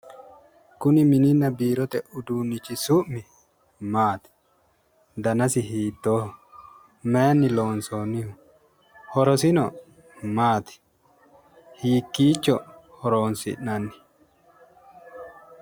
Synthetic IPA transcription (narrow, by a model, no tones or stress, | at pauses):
kʊnɪmɪnɪnːɐbiːɾɔt̪ɛʔʊd̪uːnːɪt͡ʃːɪsʊʔmːɪ | maːt̪ɪ̥ | d̪ɐnɐsɪɦiːt̪ːoː | mɛnːɪloːnsoːnːɪhʊ | hɔɾɔsɪnɔ | maːt̪ɪ̥ | hiːkːiːt͡ʃːɔ | hɔɾoːnsɪ̰ʔnɐnːɪ̥